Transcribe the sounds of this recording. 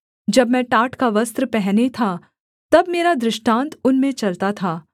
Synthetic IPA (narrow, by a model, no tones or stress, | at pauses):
d͡ʒɐbmɛ̃ʈaːʈʰkaʋɐst̪ɾəpɛɦnet̪ʰa | t̪ɐbmeːɾad̪ɾɪʃʈãːnt̪ʊnmẽt͡ʃɐlt̪at̪ʰaː